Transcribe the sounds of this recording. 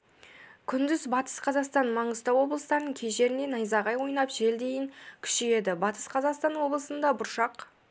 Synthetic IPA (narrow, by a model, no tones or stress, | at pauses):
kʲʰʏnd̪ɪzbɑt̪ə̥sqʰɑzɑqst̪ɑnmɑɴəst̪ɑwo̞blˠəst̪ɑɾnəɴkʲʰe̞ʒe̞ɾɪne̞nɑjzɑʁɑjwo̞jnɑpʒ̥e̞ld̪e̞jɪŋkʲʰʏ̥ʃeje̞d̪ɪbɑt̪ə̥sqʰɑzɑqst̪ɑnwo̞blˠəsənd̪ɑbʊɾʃɑq